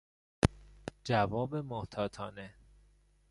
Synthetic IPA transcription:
d͡ʒævɒːbemoht̪ʰɒːt̪ʰɒ̰ːne

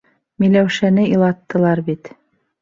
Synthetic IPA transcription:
milæwʃænɘilˠɑt̪ːɤ̆lˠɑɾbit̪

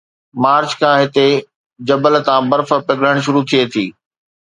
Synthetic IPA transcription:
maːɾt͡ɕkʰãːɦɪt̪e | d͡ʑɐbəlt̪ãːbɐɾfə̆pɪɡɽəɽ̃ʃ̬ʊɾut̪ʰiet̪ʰiː

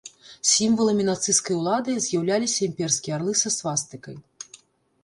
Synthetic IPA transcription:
sʲimvɐlˠɐmʲinat̪sɨskɐjulˠad̪ɨzʲjawlʲalʲisʲɐimʲpʲɛrskʲiɛarlˠɨsɐsvast̪ɨkɐj

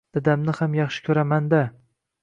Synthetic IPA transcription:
d̪̥ad̪amnɪhamjɑχʃɪ̥kʲʰɵɾamand̪a

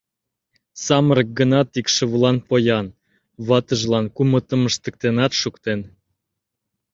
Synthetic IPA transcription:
sɑməɾək̚ɡənɑt̪ikʃə̆βəlɑnpojɑn | βɑt̪əʒlɑnkumə̆t̪ə̆məʃt̪ə̆k̚t̪enɑt̪ʃukt̪en

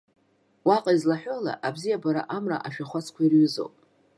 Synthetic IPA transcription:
waqʼaizlaħʷᶣola̰ʔabzijabaɾaʔamra̰ʔaʃᶣaχʷat͡sʰkʷʰairɥʏzo̰wpʼ

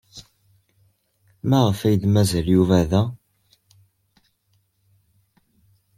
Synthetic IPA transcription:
mæʁəfæjd̪mæzæljuvæðæ

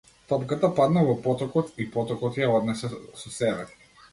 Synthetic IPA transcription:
t̪ɔpkat̪apad̪navɔpɔt̪ɔkɔt̪ipɔt̪ɔkɔt̪jaɔd̪nɛsɛsɔsɛɾɛt̪i̥

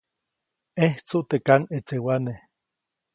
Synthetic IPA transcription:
eht͡suʔt̪ekanet͡sewane

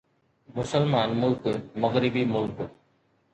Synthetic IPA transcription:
mʊsəlmaːnmʊlkmɐɣɾɪbiːmʊlk

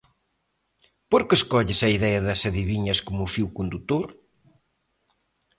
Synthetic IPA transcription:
poɾkɪeskɔʎɪsɐiðɛɐðɐsɐðiβiɲɐskomʊfiwkond̪ut̪oɾ

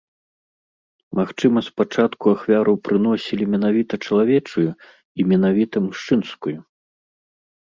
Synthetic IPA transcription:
maxt͡ʂɨmɐspat͡ʂat̪kuaxvʲaɾupɾɨnɔsʲilʲimʲɛnavʲit̪ɐt͡ʂɐlˠavʲɛt͡ʂuju | imʲɛnavʲit̪ɐmuʂt͡ʂɨnskuju

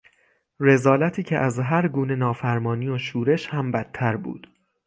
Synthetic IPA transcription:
re̞zɒːlæt̪ʰiːcʰeʔæzɦæɾɡuːne̞nɒːfæɾmɒːniːoʃuːɾe̞ʃhæmbæt̪ʰːæɾbṵːd̪̥

